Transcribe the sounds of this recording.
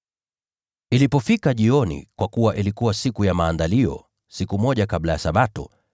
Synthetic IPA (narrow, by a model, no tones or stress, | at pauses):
ilipɔfikaʄiɔnḭkwakuwaʔilikuwasikujamaːndaliɔ̰ | sikumɔʄakaɓlajasaɓatɔ̰